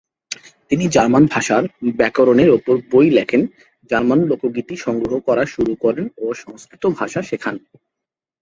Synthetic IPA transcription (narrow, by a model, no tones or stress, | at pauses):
t̪inid͡ʑaɾmanbʱaʃaɾbɛkoɾoneɾopoɾbojlɛkʰen | d͡ʑaɾmanlokoɡit̪iʃɔŋɡɾoɦokɔɾaʃuɾukɔɾenoʃɔŋskɾit̪obʱaʃaʃekʰan